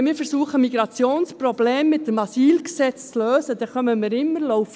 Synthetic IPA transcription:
mɪːɾfəɾsuːəχəmiɡɾɑt͡sjoːnsprobleːmːɪt̚dəmɑsiːlksɛt͡st͡sløːsəd̥̪ɛχœməmɪːɾɪmːəɾlɔwf

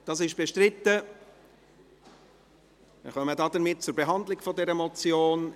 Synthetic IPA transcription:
d̥ɑs̬ɪʃb̥eʃtɾɪt̪ːə | mɪ̰χœmədɑdəɾmɪt̚t͡sʊɾbeɦɑndlɪɡfɔdɛɾəmɔt͡sjoːn

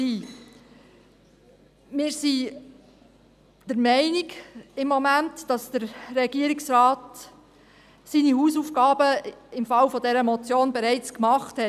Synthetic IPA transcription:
iː | mɪːɾsi | d̥əɾmɛɪnɪɡɪmːomæntd̥ɑsd̥əɾːɛɡ̥iəɾɪksrɑːt | siːnihuːsufɡɑːbəɪmfɑwfɔdɛɾəmɔt͡sjoːnbɛɾɛɪt͡skmɑχthɛ

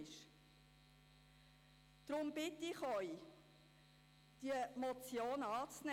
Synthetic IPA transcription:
ʃ | d̪̥ɾʊmbɪtɪχœj | d̥iəmɔt͡sjoːnɑːt͡snɛ

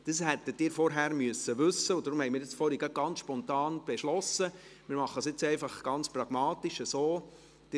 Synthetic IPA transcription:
d̥əshɛtːətdiːɾfɔɾɦæːɾmyəsːəʋʉsəʊdɾʊmhɛjmiːɾɪt͡sfɔɾiɡɑt̚ɡ̥ɑnsʃpɔnt̪ɑːnb̥ɛʃlɔsəmiːɾmɑχːəsjɪt͡sɛɪfɑχɡ̥ɑnt͡sprɑɡ̥mɑːt̪iʃəsoː | d̥ɪ

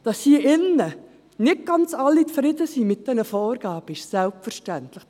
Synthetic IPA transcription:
d̥ɑshiəʔɪnːə | nɪk̚ɡ̥ɑnt͡sɑlːit͡sfɾɪd̪əsimɪt̚d̥ɛnəfɔːɾɡ̥ɑːb̥əɪʃsɛlpfəɾʃtæntləχ

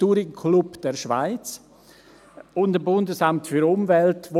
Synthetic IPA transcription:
tuːɾɪkʰlupd̥ɛʃva̰ɪt͡s | ʊndəmbʊndəsamtfyɾʊmvɛltvo

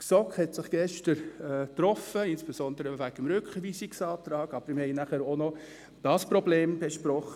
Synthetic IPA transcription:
ksɔkχhɛtsɪχɡ̥ɛʃtəɾɛːt̪rɔfəɪnsb̥esɔnd̪əɾəʋæɡ̥əmɾʏkχʋiːsiksɑːt̪ɾɑːɡ̥ɑb̥əɾmɪhɛɪnæχəɾonɔ | d̥ɑspɾɔbleːmb̥ɛʃpɾɔχə

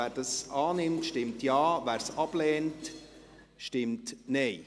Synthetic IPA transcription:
æːɾdɑsɑːnɪmtʃtɪmtjɑːvæːɾsɑb̥lɛːnt | ʃtɪmtnɛɪ

